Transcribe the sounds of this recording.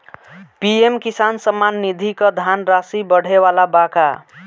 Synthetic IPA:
piemkisansəmːanːid̪ʱikəd̪ʱanɾasibəɽ̤eʋalabaka

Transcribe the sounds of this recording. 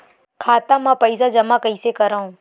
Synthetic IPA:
kʰaːt̪ãːmãːpəɪsad͡ʒəmakəisekəɾaːũː

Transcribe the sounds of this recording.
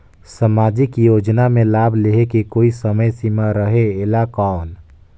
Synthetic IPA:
səmad͡ʒikjod͡ʒnamelabʱleɦekekoisəməjsimaɾəɦeelakaːn

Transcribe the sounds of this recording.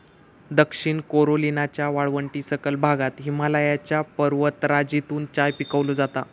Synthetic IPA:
d̪əkʂiɳkoɾolinat͡ɕjaʋaɭʋəɳʈiːsəkəlbʱaɡat̪ɦimalajat͡ɕjapəɾʋət̪ɾad͡ʑit̪uːnt͡ɕajpikəʋlud͡zat̪a

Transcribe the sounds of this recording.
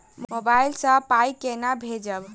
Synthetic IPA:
mmobailsə̃pajkenabʱed͡ʒəb

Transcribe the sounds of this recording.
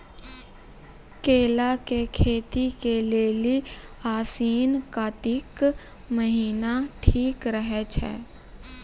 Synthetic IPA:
keːlakekʰeːt̪ikeleːli | aːsiːnkat̪ik | məɦiːnaʈʰiːkɾəɦɛt͡ʃʰɛ̰ː

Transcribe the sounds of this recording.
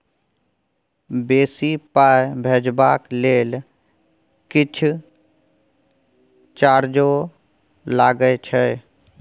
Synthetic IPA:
beːsipaːjbʱeːd͡ʒbaːkleːl | kɪt͡ʃʰ | t͡ʃaːɾd͡ʒo | laːɡəet͡ʃʰɛ

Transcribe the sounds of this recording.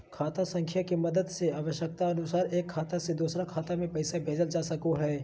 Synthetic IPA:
kʰaːt̪asɐ̃ŋkʰjakemɐd̪əd̪seaːʋəʃjək̚t̪aɐnʊsaːɾeːkkʰːaːt̪ased̪uːsɾakʰaːt̪amẽpɐɪsabʱeːd͡ʒəld͡ʒaːsɐkoɦɛː

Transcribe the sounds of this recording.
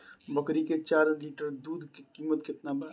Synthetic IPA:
bɐkɾiket͡ʃaːɾliːʈəɾd̪uːd̪ʱkekiːmət̪kɪt̪naba

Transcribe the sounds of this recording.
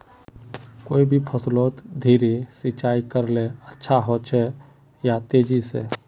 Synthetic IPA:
koːibʱipʰəsloːt̪d̪ʱiːɾesit͡ʃaːikəɾleətːʃʰaɦoːt͡ʃʰɛ | jat̪eːd͡ʒisḛː

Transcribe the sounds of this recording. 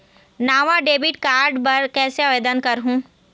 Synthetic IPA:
naːʋaɖeːbɪʈkaːɾɖpɐɾkɛːseaʋeːd̪ənkɐɾɦũː

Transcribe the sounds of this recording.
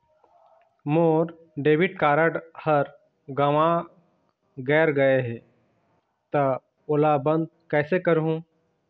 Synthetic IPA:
moːɾ | ɖeːʋɪʈ̚kaːɾəɖhɐɾ | ɡɐʋã | ɡɛːɾɡɐeɦɛ̃ | t̪ɐ | olabə̃nd̪̚kɛːsekəɾɦũː

